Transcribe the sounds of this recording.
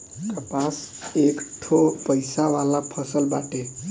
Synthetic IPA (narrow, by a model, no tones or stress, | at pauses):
k̪əpasekʈʰopəjsaʋalapʰəsəlbaʈe